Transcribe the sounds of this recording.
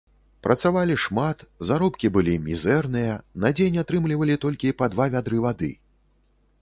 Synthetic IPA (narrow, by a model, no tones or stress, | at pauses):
pɾʔɐt̪savalʲiʂmat̪zaɾɔpkʲibɨlʲimʲizɛrnɨjɐnɐd͡zʲenʲat̪ɾɨmlʲivɐlʲit̪ɔlʲkʲipad̪vavʲad̪ɾɨvad̪ɨ̰